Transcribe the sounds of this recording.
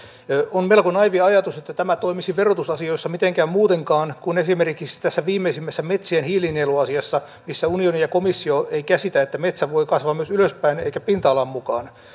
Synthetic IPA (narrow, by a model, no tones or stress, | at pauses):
onmelkonɑiʋiɑjɑt̪uset̪ːæt̪æmæt̪oimisiʋerot̪usɑsioisːɑmit̪eŋkæːmmuːt̪eŋkɑːnkunesimerkisi̥t̪æsːæʋiːmːeisimːæsːæmet̪sienhiːlineluɑsiɑsːɑ | misːæunionijɑkomisːioeikæsit̪æet̪ːæmet̪sæʋoikɑsʋɑːmyøsyløspæineikæpint̪ɑːlɑmmukɑːn